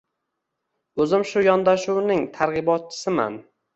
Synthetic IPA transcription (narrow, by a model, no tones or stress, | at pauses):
ɵzɪmʃʊjɒnd̪aʃuwnɪŋt̪ʰaɾʁɨbɒt̪̚t͡ʃʰɪ̥sɪma̰n